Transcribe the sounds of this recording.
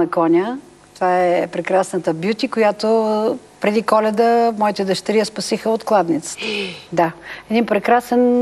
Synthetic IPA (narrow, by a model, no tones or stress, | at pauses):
ɐkɔnʲə | t̪ovaɛpɾɛkɾasnət̪əbjut̪ʲikojat̪o | pɾɛd̪ikɔlɛd̪əmɔit̪ɛd̪əʃt̪ɐɾiəspɐsixəot̪klˠad̪nʲit̪sə̥t̪əd̪aɛd̪inpɾɛkɾasɛn